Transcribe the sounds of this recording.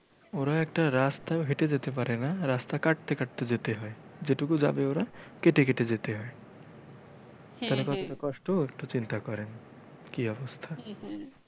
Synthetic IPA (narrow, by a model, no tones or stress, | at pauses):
oɾaekʈaɾast̪aɦeʈed͡ʒet̪epaɾenaɾast̪akaʈ̚t̪ekaʈ̚t̪ed͡ʒet̪eɦɔe | d͡ʒeʈukud͡ʒa̰beoɾakeʈekeʈed͡ʒet̪eɦɔe | t̪ɛlekɔt̪oʈɔkɔʃʈoek̚ʈot͡ʃint̪akɔɾen | kiɔbɔst̪ʰa